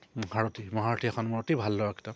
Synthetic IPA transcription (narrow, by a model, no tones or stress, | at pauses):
bʱaɹotimɔɦatʰiɛxʰɔnmɔɹotibʱalːɔwaki̥ta